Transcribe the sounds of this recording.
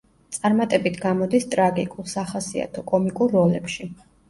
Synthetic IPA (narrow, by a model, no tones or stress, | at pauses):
t̪sʼaɾmat̪ʼɛbit̪ʰɡamɔd̪ist̪ʼɾaɡikʼulˠsaχasia̰t̪ʰɔkʼɔmikʼuɾːɔlɛpʃi